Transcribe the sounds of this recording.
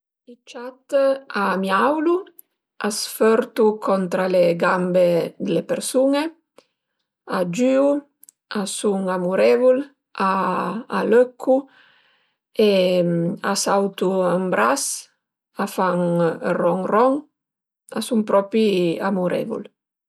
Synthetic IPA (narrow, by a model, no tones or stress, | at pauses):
it͡ʃat̪amiawlu | ʔasføɾt̪ukʰɔnt̪ɾaleɡambed̪elepeɾsuŋe | ad͡ʒyːu | asuŋamuɾevul | aː | løkʰːu | e | asawt̪uambɾas | afaŋrɔŋrɔŋ | a̰suŋpɾɔpiamuɾɛ̰vṵl